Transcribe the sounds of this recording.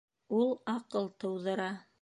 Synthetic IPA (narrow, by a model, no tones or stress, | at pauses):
ulˠɑqɤlˠt̪ɤ̆wðɤ̆ɾɑ